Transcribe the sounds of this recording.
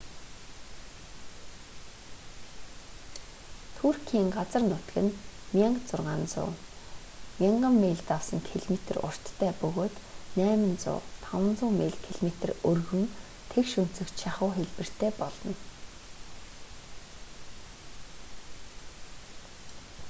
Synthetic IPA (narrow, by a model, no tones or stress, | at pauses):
t̪ʰur̥kʰiːŋɢat͡sə̆rnʊt̪ɡɘ̆nmʲaɴɢt͡sʊrʁaːnt͡sʊ̰ː | mʲiɴɢə̆mːeːɮt̪awsə̆nt̪ʰeɮmet̪ə̆rʊ̰r̥t̪ʰːæːpɵɣoːt̪næːmɘ̆nt͡sʊ̰ːt̪ʰawə̆nt͡sʊːmeːɮt̪ʰeɮmet̪ɘ̆rɵrɣɵ̆m | t̪ʰekʃɵn̥t͡sɵ̆kt͡ɕʃaχʊːxeɮpɘ̆r̥t̪ʰeːpɔɮɞ̆n